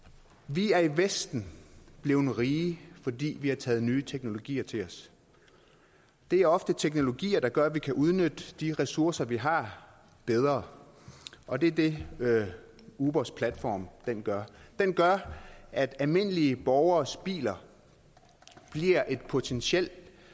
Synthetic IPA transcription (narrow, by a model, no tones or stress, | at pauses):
ʋiæɐiʋesd̥n̩b̥le̝ːʊn̩ʁiːfɒ̽d̥ḭːʋihɑ̈t͡sʰɛ̰ːð̩ˠnyːət͡sʰeɡ̥no̝lo̝ɡ̥ḭːɐt͡sʰe̝ɒ̽s | d̥e̝æɐɒ̽fd̥ət͡sʰeɡ̥no̝lo̝ɡ̥ḭːɐd̥ɑ̈ɡ̥ɶɐʋikʰæʔuð̞ˠnød̥əd̥iʁɛsuɐsɐʋiɦɑ̈ | b̥eð̞ˠʁɐː | ʔɒ̽d̥e̝ɐd̥e̝ | uːb̥ɒspʰlæd̥fɒ̰ːmd̥enɡ̥ɶɐd̥enɡ̥ɶɐʔæd̥ælme̝n̰əliəb̥ɒʊɐːsb̥ḭːlɐ | b̥liɐʔe̝d̥̚pʰo̝t͡sʰenɕiel̰d̥